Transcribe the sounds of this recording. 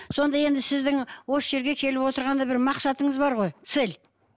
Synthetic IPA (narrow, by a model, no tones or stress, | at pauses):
so̞nd̪ɑje̞nd̪ɪsɪzd̪ɪŋwo̞sʒe̞ɾɡʲe̞kʲʰe̞lɪpwo̞t̪əɾʁɑnd̪ɑbɪɾmɑqsɑt̪əɴəzbɑɾʁo̞jt̪sel